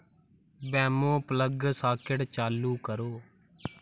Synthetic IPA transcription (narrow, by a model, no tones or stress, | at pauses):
bɛːmõːpələɡsaːkɪɽt͡ʃaːluːkəɾoː